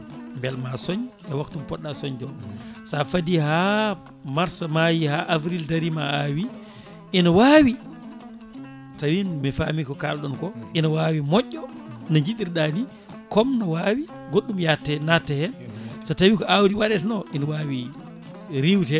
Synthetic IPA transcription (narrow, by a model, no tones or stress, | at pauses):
mbɛlmasɔɲʔɛwaktumpɔɗːasɔɲdɔsafadiha | maɾsamajihaʔavɾildaɾimaawi | ʔinawaːwi | tawinmifamikɔkalɗɔnkɔinawawimɔʔːɔnaɲd͡ʒiɗiɾɗani | kɔmnawaːwi | ɡoɗːumjatːɛnatːɛhɛnsatawikɔʔawɾiwaɗɛtnɔʔinawawi | ɾiwtɛ